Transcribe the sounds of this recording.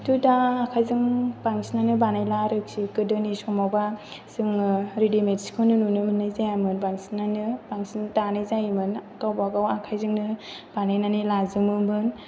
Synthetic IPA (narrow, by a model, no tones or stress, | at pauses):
tudaːkʰajzɯŋbaŋsinanɯbanajlaɾɯk̚sikɯdɯnisɔmawba | sɯŋɾidimetskʰɯnɯnunɯmɯnɯjzajamɯnbaŋsinanɯbaŋsintanɯjzajmɯnkawbaɡawakʰajzɯŋnɯ | b̥anajnanilazɯmɯbɯn